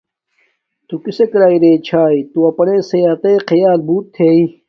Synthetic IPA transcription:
t̪ukisekɾaːiɾeːt͡ɕʰaːit̪uɐpɐnẽsejaːt̪eːqɐjaːlbuːt̪ʰːei

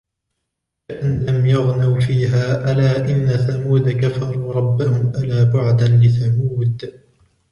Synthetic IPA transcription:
ɪʔanlamjaɣnawfiːɦaːʔalaːʔɪnːaθamuːd̪kafɑɾˤuːɾˤɑbːahʊmʔalaːbʊʕd̪anlɪθamuːd̪

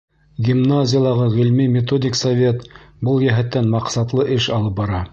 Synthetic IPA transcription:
ɡʲimnazʲɪjɑlˠɑʁɤʁilmimʲɪt̪odʲɪksɐvʲe̞t̪bɤlˠjæɦæt̪ːænmɑqsɑt̪lˠɤʔɘʃɑlˠɤp̚bɑɾɑ

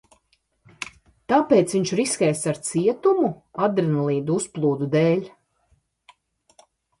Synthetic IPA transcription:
t̪aːpeːt̪sviɲt͡ʃɾiskʲɛjst̪aɾt̪siɛt̪umu | ad̪ɾinalˠiːd̪uusplˠuːd̪ud̪eːlʲ

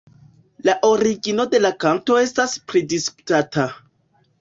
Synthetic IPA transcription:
laʔo̞ɾiɡino̞de̞lakanto̞e̞staspɾidisku̥tata

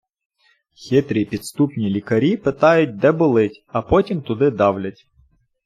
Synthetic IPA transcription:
xʲɪt̪ɾʲipʲid̪st̪upnʲilʲikɐɾʲipɪt̪ɑjʊt̚ʲd̪ɛbʊlˠɪtʲɐpɔtʲimt̪ʊd̪ɪd̪ɑwlʲɐtʲ

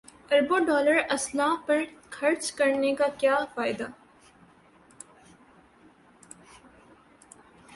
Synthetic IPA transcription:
ɐɾboɖɔːləɾɐslaːpɐɾkʰɐɾt͡ʃkɐɾnekakjaːfaːɪd̪aː

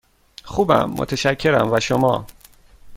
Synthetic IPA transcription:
xuːbæ̰mːo̰t̪ʰeʃæcʰːe̞ɾæmvæʃomɒː

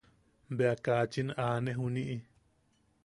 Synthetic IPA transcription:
beakaːt͡ʃinaːnẽɦunĩʔi

